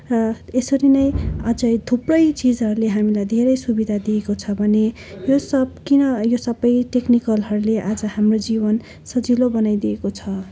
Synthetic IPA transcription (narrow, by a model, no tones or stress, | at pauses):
rʌesʌɾinʌjʌd͡zʌjd̪ʰʱuprʌjt͡sid͡zɦʌɾuleɦamilajd̪ʱeɾʌjsubid̪ʱad̪iekot͡sʰʌbʱʌne | josʌb̚kinʌjosʌbʌjʈeknikʌlɦʌɾuleʔad͡zʌhamrod͡zibʌn | sʌd͡zilobʌnajd̪iekot͡sʰʌ